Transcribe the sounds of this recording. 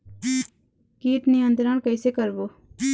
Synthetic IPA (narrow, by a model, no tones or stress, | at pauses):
kiːʈnĩə̃nd̪ɾaːɳkəiseːkəɾboː